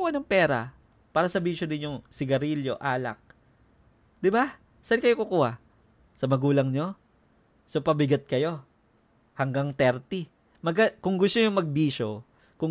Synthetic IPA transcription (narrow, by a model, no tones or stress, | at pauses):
ʔɐnoŋpɛːɾa | paːɾɐsɐbiːʃod̪ɪnjʊŋsɪɡɐɾiljo̞ʔaːlɐ̰k̚ | d̪ɪba | sankɐjo̞kʊkuːha | sɐmɐɡuːlɐŋɲo̞ | sopɐbɪɡat̪̚kɐjo̞ | hɐŋɡaŋt̪ɛɾt̪ɪ | mɐɡɐkʊŋɡʊst̪oɲʊŋmɐɡ̚biːʃo̞ | kʊŋ